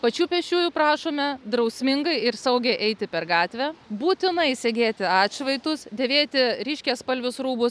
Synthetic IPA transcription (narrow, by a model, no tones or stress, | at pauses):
pɐt͡ʃʲuːpʲɛʃʲt͡ʃʲuːjuːpɾɑːʃoːmʲɛd̪ɾɐʊsʲmʲɪŋɡɐɪɪɾsɐʊɡʲɛɪʔɛɪt̪ʲɪpʲɛɾɡɑːt̪ʲʋʲɛːbuːt̪ʲɪnɐɪsʲɛɡʲeːt̪ʲɪɑːtt͡ʃʲʋɐɪt̪ʊsd̪ʲeːʋʲeːt̪ʲɪɾʲɪːʃʲkʲeːspɐlʲʋʲʊsɾuːbʊs